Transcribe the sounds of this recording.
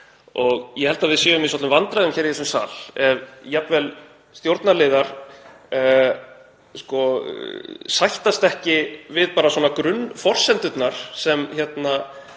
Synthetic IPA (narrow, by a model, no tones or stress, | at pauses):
ɔɣjɛhɛlt̪avɪðsjɛʏmɪs̬ɔt̪ʏmvant̪ɾaðʏmçɛɾiθɛsʏmsa̰ːlɛvjapvɛl | st̪jowɾt̪nalɪːðaɾ̥ | skɔ | sajht̪ast̪ɛhcɪvɪðpaːɾaswɔːnakɾʏnːfɔr̥sɛnt̪ʏt̪naɾ̥sɛmçɛt̪na